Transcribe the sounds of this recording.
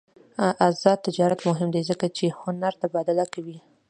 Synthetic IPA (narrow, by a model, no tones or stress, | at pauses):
ʔazɑd̪̚t̪ːɪd͡ʒɑɾat̪mʊɦɪmd̪ezəkat͡ʃehʊnaɾt̪abɑd̪alakawi